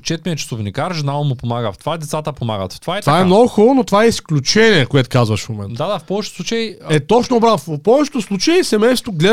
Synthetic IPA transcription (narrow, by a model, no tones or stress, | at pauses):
t͡ʃɛt̪mʲiɛt͡ʃɪ̥sovnʲikaɾʒinalˠnmʊpomaɡəft̪ovad̪ɛt̪sat̪əpomaɡə̰t̪ft̪ovaɛt̪vaɛmnɔɡʊxɔlˠonot̪ovaɛisklʲut͡ʃɛnʲiɛkoɛt̪ʊ̥kazvɐʃfmomɛntd̪ad̪afpɔvɛt͡ʃɛt̪ʊsˠut͡ʃɐjɛt̪ɔt͡ʃnobɾaffpɔvɛt͡ʃɛ̥t̪ʊslˠut͡ʃəisɛmɛjst̪oɡlʲɛ